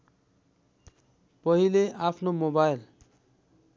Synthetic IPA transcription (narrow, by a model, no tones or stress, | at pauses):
pʌɦileʔapʰnomobajl